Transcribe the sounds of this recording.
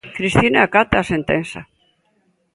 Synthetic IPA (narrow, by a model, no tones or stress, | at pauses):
kɾist̪inaakat̪aːsent̪ensa